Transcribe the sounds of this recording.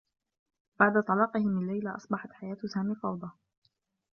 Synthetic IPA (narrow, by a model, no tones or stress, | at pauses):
b̥aʕd̪at̪ˤɑlɑːqɪhɪmɪlːajlaʔɑsˤbɑħɑt̪ħajaːt̪saːmifɑwd̪ˤɑ